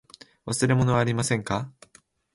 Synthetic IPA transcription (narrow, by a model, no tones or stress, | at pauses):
βasɨɾe̞mo̞no̞βaːɾʲimasẽ̞ŋka